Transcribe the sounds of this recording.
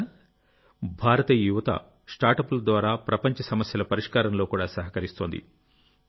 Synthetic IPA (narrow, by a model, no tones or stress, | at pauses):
bʱaːɾɐt̪ɐjuʋɐt̪ɐ̰ | sʈaːɾʈɐpulɐd̪ʋaːɾaːpɾɐpɐɲt͡ʃɐsɐmɐsjɐlɐpɐɾiʂkaːɾɐnlo̞ːkuːɽaːsɐɦɐkɐɾist̪oːnd̪ḭ